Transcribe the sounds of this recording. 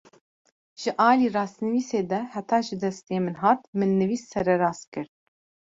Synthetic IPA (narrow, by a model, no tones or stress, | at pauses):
ʒ̥ɨʔɑːliːrɑːsnɨviːseːd̪ɛhɛt̪ʰɑːʒɨd̪ɛst̪eːmɨnɦɑːt̪mɨnːɨviːsːɛɾɛɾɑːskɨɾ